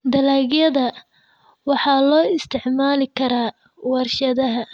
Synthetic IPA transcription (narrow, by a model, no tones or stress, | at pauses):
d̪ɐlaːɣjɐðɐ | wɑħɑːlɔːɪst̪ʰɪʕmaːlɪkʰɐɾaː | wɐrʃɐðɐɦɐ